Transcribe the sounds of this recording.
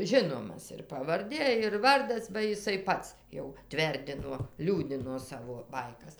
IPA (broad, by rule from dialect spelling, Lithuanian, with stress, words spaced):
ˈʒʲɪnoːmɐs ɪr pɐʋɐrʲˈdʲeː ɪr ˈʋɐrdɐs bɐ jɪˈsɐɪ ˈpɐts jɛʊ ˈtʲʋʲɛrʲdʲɪnoː ˈlʲuːdʲɪnoː ˈsɑːʋoː ˈbɐɪkɐs